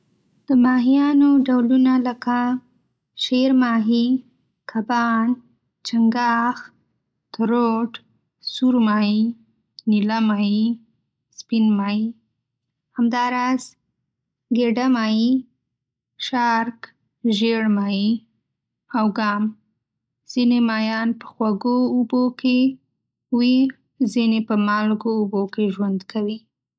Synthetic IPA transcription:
d̪̥əmɑɦijɑnoɖawlunaləka | ʃeɾmɑɦi | kʰabɑn | t͡ʃaŋɡɑx | t̪aɾoʈ | suɾmɑi | nilamɑi | spinmɑji | hamd̪ɑɾɑz̥ | ɡeɖamɑji | ʃɑɾk | ʒeɽmɑji | awɡɑm | z̥inemɑjɑnpə̥xwaɡoːbokʰe | wi | zinepəmɑlɡoːbokeʒwand̪kʰawi

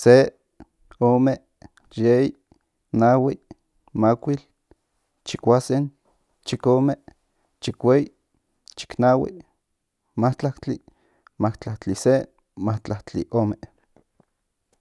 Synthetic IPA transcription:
se | oːme | jei | nawiʔ | makʷil | t͡ʃikʷasen | t͡ʃikome | t͡ʃikʷei | t͡ʃi̥knawḭ | maht͡ɬakt͡ɬi | maht͡ɬakt͡ɬise | maht͡ɬaht͡ɬḭʔoːme

